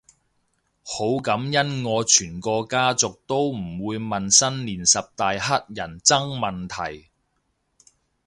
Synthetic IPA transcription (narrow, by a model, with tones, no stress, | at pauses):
ho˨˥wkɐ˨˥mjɐ˥nŋɔː˨˧t͡ʃʰyː˨˩nkɔː˧kaː˥t͡sʊ˨k̚t̪o˥wm̩˨˩wuː˨˧jmɐ˨nsɐ˥nliː˨˩nsɐ˨p̚t̪aː˨jɦɐ˥t̚jɐ˨˩nt͡sɐ˥ŋmɐ˨˩nt̪ʰɐ˨˩j